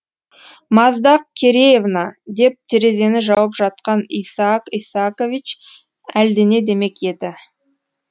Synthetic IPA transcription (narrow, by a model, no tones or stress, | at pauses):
mɑzd̪ɑq̚kʲʰe̞ɾeje̞vnɑd̪e̞p̚t̪ʰeɾe̞ze̞nɪʒɑwəpʒɑt̪̚qɑnijsɑqijsako̞vʲit͡ʃ | æld̪ɪne̞d̪e̞me̞ke̞d̪ɪ